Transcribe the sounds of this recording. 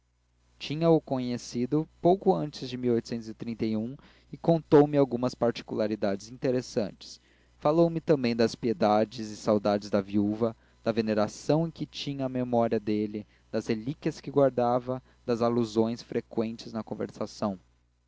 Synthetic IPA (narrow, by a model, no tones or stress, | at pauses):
t͡ʃĩɲɐʊkõɲesid̪ʊpowkʊɐ̃nt͡ʃɪzd͡ʒɪmiwojt̪ʊ̥sẽnt̪ʊzɪt̪ɾĩnt̪ejũ | ɪkõnt̪owmɪawɡũmɐspaɾt͡ʃi̥kulaɾid̪ad͡ʒɪzĩnt̪eɾesɐ̃nt͡ʃɪ̥s | falowmɪt̪ɐ̃mbẽj̃d̪ɐspied̪ad͡ʒɪzɪsawd̪ad͡ʒɪzd̪ɐviuvɐ | d̪̥ɐveneɾasɐ̃w̃ẽkɪt͡ʃĩɲɐːmemɔɾiɐd̪elɪ | d̪ɐzhelikʲiɐskɪɡwaɾd̪avɐ | d̪ɐzaluzõj̃sfɾekwẽnt͡ʃɪznɐkõvḛɾsasɐ̃w̃